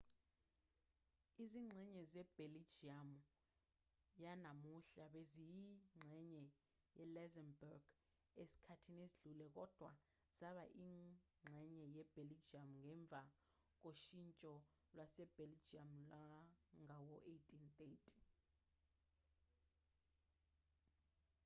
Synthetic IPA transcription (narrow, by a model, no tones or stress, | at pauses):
iziŋ͡ǀʱɛɲɛzɛb̥ʱelid͡ʒiam | janamuɬaɓezijiŋ͡ǀʱɛɲɛ | jɛlɛzɛnbɛrɡ̥ | esi̥kʰatʰineziɮulɛk̬ɔd̥ʱwa | z̥aɓaʔi | ŋ͡ǁʱɛɲɛjɛb̥ʱelid͡ʒiamŋʱɛɱb̪vʱa | k̬oʃint͡ʃʼɔ | lwasɛb̥elid͡ʒiamlaŋawɔʔejtʼint̪ʼetʰʼi̥